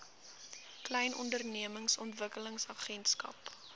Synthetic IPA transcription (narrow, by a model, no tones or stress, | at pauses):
klɛjnʔɔ̰ndərniəməŋsɔntvəkələŋsɐχɛnskɐ̰p